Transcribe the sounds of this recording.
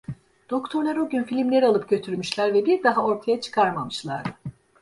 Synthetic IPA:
d̪̥o̞kt̪ʰo̞ɾlˠaɾoɟynfilʲimlʲe̞ɾialˠɯp̚ɟø̞t̪ʰyɾmyʃlʲæɾvɛbiɾd̪aɦao̞ɾt̪ʰajat͡ʃʰɯ̥kʰaɾmamɯʃlˠaɾd̪ɯ

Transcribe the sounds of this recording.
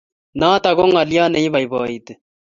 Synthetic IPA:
naːt̪ɐɡoŋɐlijaːnɐĩːbɐjbaːid̪

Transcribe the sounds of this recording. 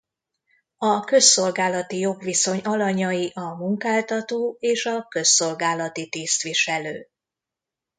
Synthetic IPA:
ɒkø̞sːo̞lɡaːlɒt̪ijo̞ɡʋiso̞ɲɒlɒɲɒjiʔɒmuŋkaːlt̪ɒt̪oːeːʃɒkø̞sːo̞lɡaːlɒt̪it̪iːst̪ʋiʃɛløː

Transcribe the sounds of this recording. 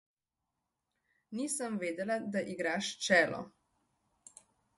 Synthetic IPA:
niːsəmʋeːd̪ɛlad̪aʔiɡɾaːʃt͡ʃɛːlɔ̰

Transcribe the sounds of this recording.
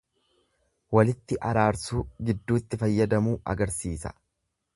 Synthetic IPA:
wɐlɪt̪ːɪʔɐɾaːɾsuːɡɪd̪ːuːt̪ːɪfɐjːɐd̪ɐmuːʔɐ̰ɡɐɾsiːsɐ̥̰

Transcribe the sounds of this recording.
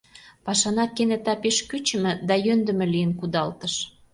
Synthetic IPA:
pɑʃɑnɑkenĕt̪ɑpeʃkyt͡ɕə̆mɘ̆d̪ɑjønd̪ə̆mɘ̆lijənkud̪ɑlt̪əʃ

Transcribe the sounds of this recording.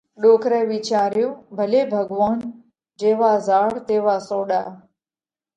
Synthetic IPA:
ɗoːkɾeːʋit͡ʃaːɾjõːbʱəleːbʱəɡʋaːn | d͡ʒeːʋaːzaːɽt̪eːʋaːsoːɗa̰ː

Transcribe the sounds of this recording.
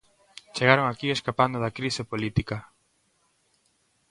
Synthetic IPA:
t͡ʃeɣaɾoŋakieskapand̪oðakɾisepolit̪ika

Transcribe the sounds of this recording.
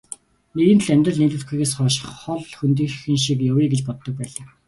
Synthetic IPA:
neɣɘ̆n̆ʰɮæmʲt̪rə̆ɮneːt̪ɘ̆t̪ɡujɣeːsχɔːʃɪ̥̆χχɔɮxunt̪ĭːxɘ̆ŋʃikjowiːɡet͡ɕpɔt̪ːɞ̆k̚pæːɮaː

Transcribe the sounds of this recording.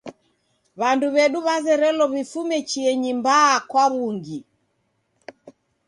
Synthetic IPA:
βanduβɛɗuβazɛɾɛlɔβifumɛt͡ʃiɛɲimbaːkwaβuŋɡi

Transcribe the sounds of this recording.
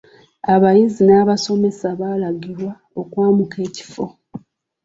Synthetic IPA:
aβajizinaːβaso̞me̞saβaːlaɡiɾwa | o̞kwaːmuke̞ːci̥fo̞

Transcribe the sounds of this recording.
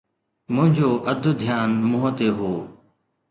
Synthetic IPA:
mʊ̃ɦɪ̃ɲd͡ʑoːʔəd̪ʱʊd̪ʱjaːnmʊɦət̪eːɦoː

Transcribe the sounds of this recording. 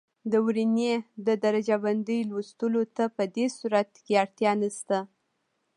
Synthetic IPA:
d̪əwɾined̪əd̪aɾad͡ʒaband̪əjlwust̪əlot̪apəd̪esuɾat̪̚keaɽt̪jɑnəst̪a

